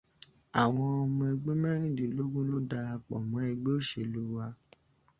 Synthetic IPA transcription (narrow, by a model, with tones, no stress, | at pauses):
a˨w̃ɔ̃˧ɔ˧mɔ̃˧ɛ˧ɡ͡be˦mɛ̃˦ɾ̃ĩ˦˨dĩ˨˦lo˦ɡũ˦lo˦da˧a˧k͡pɔ˨mɔ̃˨˦ɛ˧ɡ͡be˦o˦˨ʃe˧˨lu˦wa˧